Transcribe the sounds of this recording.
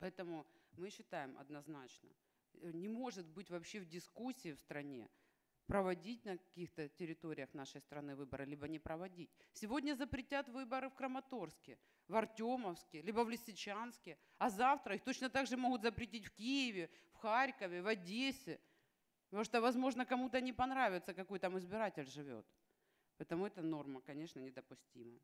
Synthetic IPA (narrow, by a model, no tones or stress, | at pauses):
pɐɛt̪əmʊmɨɕːɪt̪ajɪmʔɐ̰d̪nɐznat͡ɕnə̰ | nʲɪmo̞ʐɨt̪bɨtʲvɐpɕːevdʲɪskusʲːiːfst̪ɾɐnʲḛ | pɾəvɐdʲit̚ʲnəkɐ̥kʲixt̪ətʲɪɾʲɪt̪o̞ɾʲɪjəxnaʂəjst̪ɾɐnɨvɨbɐɾɨlʲibənʲɪpɾəvɐdʲitʲsʲɪvo̞dʲnʲɐzəpɾʲɪtʲat̪vɨbəɾɨfkɾəmɐt̪o̞rskʲɪ | vɐrtʲoməfskʲɪlʲibəvlʲɪsʲɪt͡ɕanskʲɪ | ɐzaft̪ɾəixt̪o̞t͡ɕnət̪aɡʐɨmo̞ɣʊt̪zəpɾʲɪtʲitʲfkʲijɪvʲɪfxaɾʲkəvʲɪvɐdʲesʲɪ | p̪ɐmuʂt̪ovɐzmo̞ʐnəkɐmut̪ənʲɪpɐnɾavʲɪt̪səkɐkojt̪amɨzbʲɪɾatʲɪlʲʐɨvʲo̰t̪ | pɐɛt̪əmʊɛt̪əno̞rmɐkɐnʲe̞ʂnənʲɪd̪əpʊsʲtʲimə